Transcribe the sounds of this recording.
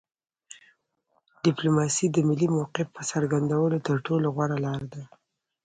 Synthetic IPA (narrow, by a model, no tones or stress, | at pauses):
ɖ̥ɪplomɑsid̪əmɪlːimawqɪfpəsaɾɡand̪awəlot̪əɾʈoloɣwaɾalɑɾad̪a